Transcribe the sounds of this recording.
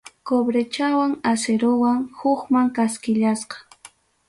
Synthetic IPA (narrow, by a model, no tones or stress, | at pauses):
kobɾet͡ʃawaŋaseɾowaŋhʊχmaŋkaskɪʎasqɑ̥